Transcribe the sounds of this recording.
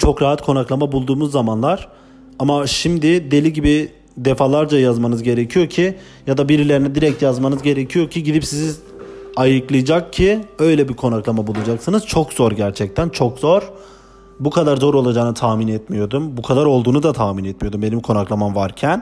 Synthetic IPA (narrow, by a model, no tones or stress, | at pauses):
t͡ʃʰo̞kɾaɦat̪kʰo̞naklˠamabulˠd̪uːmuzːamanlˠaɾ̥ | amaʃimd̪ɪd̪e̞lʲiɟibi | d̪efalˠaɾd͡ʒajazmanɯzɟe̞ɾecʰijo̞cʰi | jad̪abiɾilʲe̞ɾinɛd̪iɾɛc̚t̪jazmanɯzɟe̞ɾecʰijo̞cʰiɟid̪ipsizi | ajɯklˠɯjd͡ʒak̚cʰiø̞jlʲɛbiɾkʰo̞naklˠamabulˠad͡ʒaksɯnɯz̥t͡ʃʰo̞kz̥oɾɟæɾt͡ʃʰɛc̚t̪ʰænt͡ʃʰokzo̞ɾ̥ | bukʰad̪aɾzo̞ɾo̞lˠad͡ʒaːnat̪ʰaːminɛt̪mijo̞d̪umbukʰad̪aɾo̞lˠd̪uːnud̪at̪ʰaːminɛt̪̚mijod̪umbe̞nimkʰo̞naklˠamamvaɾcʰæn